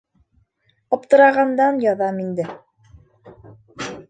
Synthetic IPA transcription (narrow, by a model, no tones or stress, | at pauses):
ɒp̚t̪ɤ̆ɾɑʁɑnd̪ɑnjɑðɑmind̪ɘ